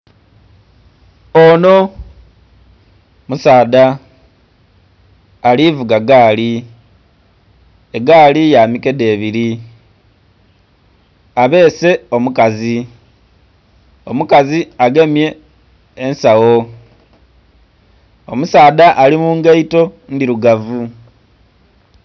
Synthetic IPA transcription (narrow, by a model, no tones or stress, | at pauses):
ono̞ | musaːda | livuɡaɡaːli | eɡaːlijaːmike̞de̞ːβiɾi | aβe̞ːse̞o̞mukazi | o̞mukaziaɡe̞mje̞ː | nsawo̞ | o̞̰musaːdaʔːlimuːŋɡeito̞ndiɾuɡavu